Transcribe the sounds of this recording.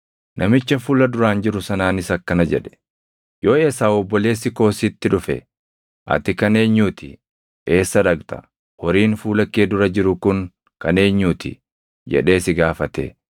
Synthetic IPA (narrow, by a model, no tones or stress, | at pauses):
nʔɐmɪt͡ʃːɐfuːlɐd̪ʊɾaːnd͡ʒɪɾʊsɐnaːnɪsɐkːɐnɐd͡ʒɛᶑɛ̥ | jo̞ːe̞ːsaːɔbːɔle̞ːsːɪko̞ːsit̪ːɪᶑʊfɛ̰ | ʔɐ̰t̪ɪkɐne̞ːɲːuːt̪ɪ̰ | ʔe̞ːsːɐᶑɐɡt̪ɐ̥̰ | hɔɾiːnfuːlɐkːeːd̪ʊɾɐd͡ʒɪɾʊkʊŋ | kɐne̞ːɲːuːt̪ʰɪ̰ | d͡ʒɛ̰ᶑe̞ːsɪɡaːfɐt̪ḛ